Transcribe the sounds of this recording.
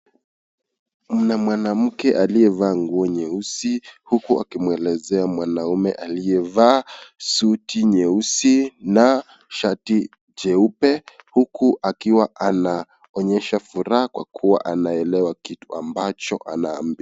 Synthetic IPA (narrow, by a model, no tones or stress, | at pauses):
m̩namwanam̩kɛʔalijɛvaːŋɡuɔɲɛusihukua̰kimwɛlɛzɛamwanaumɛ̰ʔalijɛvaːsutiɲɛusina | ʃati | d͡ʒɛupɛhukuʔakiwaʔana | ɔɲɛʃafuɾahakwa̰kʰuwa̰ʔanaɛlɛwakitua̰mbat͡ʃɔ̰ʔa̰na̰ːmbi